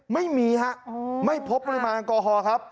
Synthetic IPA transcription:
ma˥˩jmiː˧ha˦˥ʔma˥˩jpʰo˦˥p̚ːɔ˧ɾi˦˥maː˧nkɔː˧ɦɔː˧kʰɾa˦˥p̚

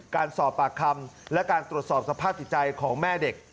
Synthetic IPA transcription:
kaː˧nsɔː˨˩pːaː˨˩kʰa˧mlɛ˦˥kaː˧nt̪ɾu˨˩ət̪̚sɔː˨˩p̚sa˧pʰaː˥˩p̪̚ʰi˨˩t̪̚t͡ɕa˧jkʰɔː˩˦ŋmɛː˥˩de˨˩k̚

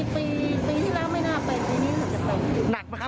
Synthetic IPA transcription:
piː˧piː˧t̪ʰiː˥˩lɛː˦˥wma˥˩jnaː˥˩pa˧jpiː˧niː˦˥mɯ˧˩˦ənt͡ɕa˨˩pa˧jna˨˩k̚m˧kʰ

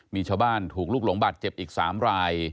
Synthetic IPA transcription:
miː˧t͡ɕʰaː˧wbaː˥˩nt̪ʰuː˨˩k̚luː˥˩k̚lo˩˦ŋba˨˩t̪̚t͡ɕe˨˩p̚ʔiː˨˩k̚sa̰ː˩˦mɾaː˧j

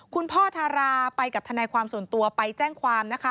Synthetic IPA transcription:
kʰu˧npʰɔː˥˩t̪ʰaː˧ɾaː˧pa˧jka˨˩p̚t̪ʰa˧nɛː˧jkʰwaː˧msu˨˩ənt̪u˧ɐpa˧jt͡ɕɛː˥˩ŋkʰwaː˧mna˦˥kʰa˦˥

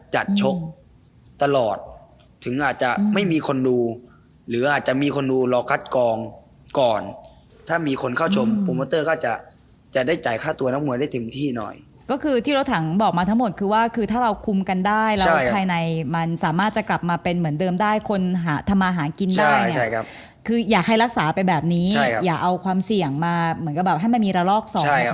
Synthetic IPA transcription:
t͡ɕa˨˩t̪̚t͡ɕʰo˦˥k̚ | t̪a˧lɔː˨˩t̪̚ʰː | ɯ˩˦ŋʔaː˨˩t̪̚t͡ɕa˨˩ʔma˥˩jmiː˧kʰo˧nduː˧ | lɯː˩˦ʔaː˨˩t̪̚t͡ɕa˨˩miː˧kʰo˧nduː˧lɔː˧kʰa˦˥t̪̚kɔː˧ŋ | kɔː˨˩n | t̪ʰaː˥˩miː˧kʰo˧nkʰaː˥˩wt͡ɕʰo˧mpu˧maː˧˦t̪ɤː˥˩kɔː˥˩t͡ɕa˨˩ʔ | t͡ɕa˨˩ʔdaː˥˩jt͡ɕaː˨˩˦jkʰaː˥˩t̪u˧ɐna˦˥mŋu˧da˥˩t̪ʰe˨˦mt̪ʰiː˥˩nɔ̰˨˩j | kɔː˥˩kʰɯː˧t̪ʰiː˥˩ɾo˦˥t̪ʰa˩˦ŋbɔː˨˩k̚maː˧t̪ʰa˦˥ŋmo˨˩t̪̚kʰɯː˧waː˥˩kʰɯː˧t̪ʰaː˥˩ɾa˧wkʰu˧mka˧ndaː˥˩jlɛː˦wpʰaː˧jna˧jma˧nsaː˩˦maː˥˩t̪̚t͡ɕa˨˩kla˨˩p̚maː˧pe˧nmɯ˩˦əndɤː˧mdaː˥˩jkʰo˧nɦaː˩˦t̪ʰa˧mːaː˧ɦaː˩˦nki˧ndt͡ɕaː˦˥˩ji˨a˥˩kʰa˦˥ | kʰɯː˧jaː˨˩k̚ʰːa˧˥˩jɾa˦˥k̚saː˩˦pa˧bɛː˨˩p̚niː˦˥t͡ɕʰa˥˩jkʰa˦jaː˨˩k̚ʔa˧wkʰwaː˧msi˨˩əŋmaː˧mɯ˩˦nka˧˩bɛː˨˩p̚ɦa˥˩jma˧nmiː˧ɾaː˧lɔː˥˩k̚sɔː˩a˥˩˦j

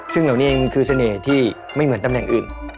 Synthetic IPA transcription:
sɯ˥˩ŋla˨˩wniː˥˧˩ŋ˧kʰɯː˧sa˧neː˨˩t̪ʰiː˥˩ | ma˥˩jmɯ˦ənt̪a˧mnɛ˨˩ŋʔɯː˨˩n

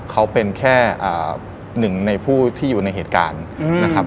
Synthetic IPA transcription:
kʰa˦˥wpe˧nkʰɛː˥˩ʔa̰ː˨˩ | nɯ˨˩ŋna˧jpʰuː˥˩t̪ʰiː˥˩juː˨˩na˧jɦeː˨˩t̪̚ka̰ː˧nna˦˥kʰa˦˥

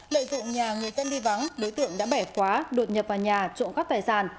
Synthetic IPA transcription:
lə̰ː˧˨jzɨ̰˧˨ŋɲaː˨˩ŋɨ˨˩əjzə˧nɗi˧va˨˦ŋɗo˨˦jt̪ɨ̰˧˨əŋɗa̰ː˧˥ɓɛ˧˩kwaː˨˦ɗo˨˩t̚ɲə˨˩p̚vaː˨˩ɲaː˨˩t͡ɕo̰˧˨nkaː˦˥k̚t̪aː˨˩jsaː˧˩n

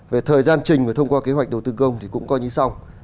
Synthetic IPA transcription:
ve˨˩t̪ʰəː˨˩jzaː˧nt͡ɕï˨˩ŋ̟vɨ˨˩t̪ʰə˧wŋ͡mkwaː˧ke˨˦ɦwa˨˩k̟̚ɗə˨˩wt̪ɨ˧kə˧wŋ͡mt̪ʰi˨˩kʊ̰˧˥ŋ͡mkɔ˨˧ɲi˧sa˧w

